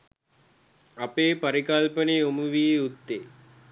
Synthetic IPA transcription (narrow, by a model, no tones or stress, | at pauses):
apeːpɐɾikɐlpəneumuʋiːut̪ːe